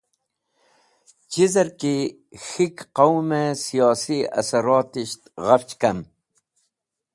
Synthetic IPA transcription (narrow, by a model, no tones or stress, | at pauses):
t͡ɕizɐɾki | xikqawmesijɑːsiɐ̰sɐɾɑːt̪iɕt̪ɣaft͡ɕkɐm